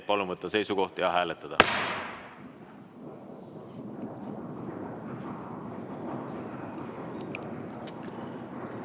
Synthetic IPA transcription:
pɑlumɤt̪ːˑɑse̞jsuɡo̞ht̪jɑɦæːlet̪ˑːɑd̪̥ɑ̰

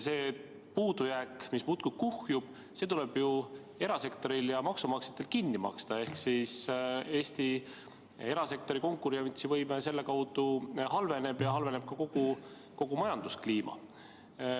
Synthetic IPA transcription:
se̞ː | puːd̪ujækmismut̪kub̥̚kuhjub̥ | se̞t̪ule̞b̥ju | e̞ɾɑse̞kt̪o̞ɾiljɑmɑksumɑkse̥t̪ːˑe̞lkinːimɑ̰kst̪ɑe̞hksiːse̞ːst̪i | e̞ɾɑse̞kt̪o̞ɾiko̞ŋkːˑuɾiɑmt̪sivɤjmese̞lːe̞kɑwd̪̥uhɑlve̞ne̞b̥jɑɦɑlve̞ne̞b̥̚kɑko̞ɡ̥u | ko̞ɡ̥umɑjɑnd̪̥uskliːmɑ̰

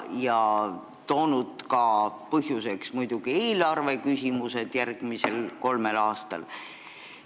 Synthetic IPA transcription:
jɑ | t̪oːnud̪̥kɑpɤɦjuse̞ksmujd̪̥uɡ̥ie̞ːlɑrve̞kysʲimuse̞d̪̥jærɡ̥mise̞lko̞lmelɑːst̪ɑ̰l

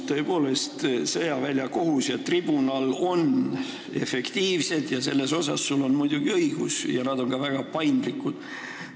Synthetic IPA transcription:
t̪ːø̞e̞po̞ːle̞st̪sejɑvælʲjɑko̞ɦusjɑt̪ːrib̥unɑlo̞n | e̞fe̞kt̪iːvse̞d̪̥jɑse̞lːe̞so̞sɑ̰ssulːo̞nmujd̪̥uɡ̥iɤijɡ̥usjɑnɑd̪̥o̞nkɑvæɡ̥ɑpɑjnd̪likːud̪̥

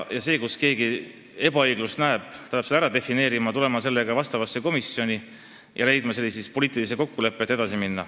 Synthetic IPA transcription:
jɑse̞ːkuske̞ːɡi | e̞b̥ɑɤjɡ̥lust̪næe̞b̥t̪ɑhɑpsed̪æɾɑd̪e̞fine̞ːɾimɑt̪ule̞mɑse̞lːe̞ɡ̥ɑvɑst̪ɑvɑsːe̞ko̞misjo̞nʲi | jʔɑle̞jd̪mɑse̞lːisist̪̚po̞liːt̪ˑilis̬eko̞kːule̞pˑːe̞t̪ːˑe̞d̪ɑsiminːɑ

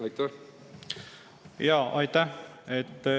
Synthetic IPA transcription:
ɑjt̪ːæ | jɑːʔɑjt̪ːæhet̪ː

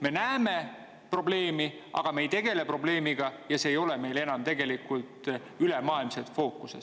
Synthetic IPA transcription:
me̞næːme̞ | pro̞ble̞ːmi | ʔɑ̰ɡ̥ɑme̞jt̪e̞ɡ̥e̞le̞pro̞ble̞ːmiɡ̥ɑjɑse̞ːjo̞le̞me̞jle̞nɑmt̪e̞ɡ̥e̞likːult̪ˑ | ylemɑːilmset̪fo̞ːkːˑuse

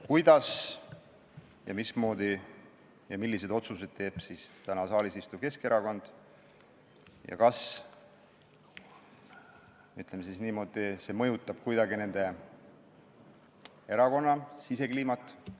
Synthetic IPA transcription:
kujd̪̥ɑs | jɑ̰mismo̞ːd̪̥i | jɑmilːise̞d̪o̞t̪suse̞d̪̥̚t̪e̞ːb̥sist̪ænɑsɑːlisist̪uvke̞ske̞ɾɑko̞nd̪̥ | jɑ̰kɑs | yt̪ˑlemesisniːmo̞ːd̪̥ise̞mɤjut̪ːˑɑb̥̚kujd̪ɑɡine̞nd̪̥e̞ | e̞ɾɑko̞nːɑsise̞kliːmɑt̪ːˑ

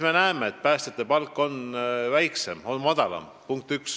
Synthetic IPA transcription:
me̞næemeet̪̚pæːst̪et̪ːˑepɑlkːˑo̞nvæjkse̞mo̞nmɑd̪̥ɑlɑ̰m | puŋk̚t̪yks

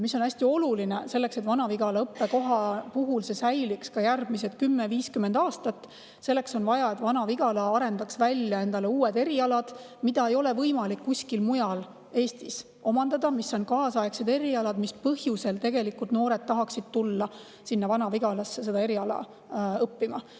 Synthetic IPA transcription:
misːonæsʲt̪io̞lulinese̞lːe̞kse̞t̪vɑnɑviɡ̥ɑlɑɤpːe̞ko̞ɦɑpuɦulse̞sæjlikskɑjærb̥miset̪kymːeviːskymːend̪̥ɑːst̪ɑt̪ːˑ | se̞lːe̞kso̞nvɑjɑe̞t̪vɑnɑviɡ̥ɑlɑɑɾe̞nd̪ɑksvælʲjɑe̞nd̪̥ɑleuːed̪e̞ɾiɑlɑd̪̥ | mid̪̥ɑe̞jo̞le̞vɤjmɑlikːusʲkilmujɑl | e̞ːst̪is | o̞mɑnd̪̥ɑd̪ɑmisːo̞nkɑːsɑekse̞d̪e̞ɾiɑlɑd̪̥mispɤhjuse̞lt̪e̞ɡ̥e̞likːult̪no̞ːɾe̞d̪̥̚t̪ːɑɦɑksid̪̥̚t̪ulːɑ | sinːɑvɑnɑviɡ̥ɑlɑsːese̞d̪ɑe̞ɾiɑlɑ̰ | ɤpːimɑ

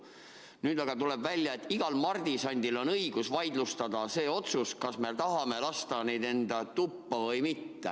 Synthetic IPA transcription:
nyːd̪ɑɡ̥ɑt̪ule̞bvælʲjɑet̪ːˑiɡ̥ɑlmɑrd̪̥isɑnʲd̪ilo̞nɤiɡ̥usvɑjd̪lust̪ɑd̪ɑse̞ːo̞t̪suskɑsme̞t̪ɑɦɑme̞lɑst̪ɑne̞jd̪e̞nd̪ɑt̪upːɑvɤjmit̪ːḛ

